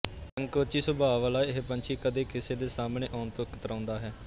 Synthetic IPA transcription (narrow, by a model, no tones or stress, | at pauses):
əŋɡkoːt͡ʃiːsʊbʱaːʋlaːiɦepənt͡ʃʰiːkəd̪eːkɪseːd̪eːsaːmnẽːʔɔːnt̪ʊkət̪əɾãːnd̪aːɦɛː